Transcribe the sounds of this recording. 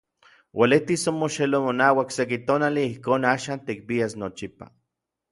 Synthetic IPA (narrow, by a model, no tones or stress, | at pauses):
wʔalet̪isomoʃelomonaːwaksek̬it̪oːnaliihkoːnaːʃaːnt̪ik̚piasnot͡ʃipa̰